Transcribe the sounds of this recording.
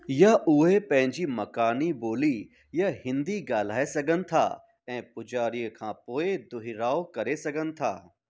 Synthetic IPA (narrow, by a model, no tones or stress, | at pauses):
jaʊɦepɐ̃ɦɪ̃ɲd͡ʑimɐkaːniboːli | jahɪ̃nd̪iɡaːl̤aːesɐɡənɪ̆t̪ʰa̰ː | ɛ̃ːpʊd͡ʒaːɾijəkʰãːpoːed̪ʊɦɪɾaːokɐɾesɐɡənɪ̆t̪ʰa̰ː